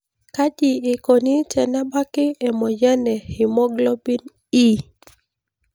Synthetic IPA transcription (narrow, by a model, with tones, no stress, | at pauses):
ka˦d͡ʒi˨ɪ˨ko˨ni˦tɛ˨na˦ba˦kɪ˦ɛ˨mɔ˨jɛ˦nɛ˨hɪ˨mɔ˦ɡlɔ˦bi˦n | i˦